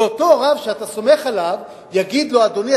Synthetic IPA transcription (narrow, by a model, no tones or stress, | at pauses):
ot̪o̞ʁavʃeat̪aso̞me̞χalav | jaɡid̪lo̞ad̪o̞ni